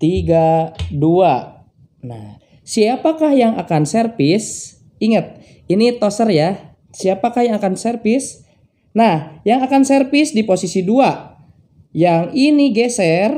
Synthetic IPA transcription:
t̪iɡadua | na̰h | siapakahjaŋakansɛrpis | iŋət̪̚ | init̪osərja | siapakahjaŋakansərpis | nahjaŋakansɛrpisdiposisidua | jaŋiniɡɛsɛr

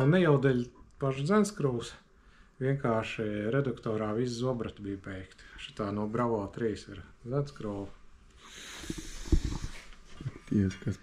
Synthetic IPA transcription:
unnːɛjɛwd̪ɛlʲpaʃzʲænskɾuws | ʋʲiɛŋkaːʃiɾɛd̪ukt̪ɔːɾaːʋiszuɔbɾat̪bijbʲɛjkt̪ʃi̥t̪aːnuɔbɾaʋɔːt̪ɾiːsiɾd̪zænskɾuːw | at̪iɛʃkas

